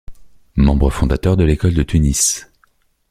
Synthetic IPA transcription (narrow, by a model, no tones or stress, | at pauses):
mɑ̃bʁəfɔ̃d̪at̪œʁd̪əlekɔld̪ət̪ynis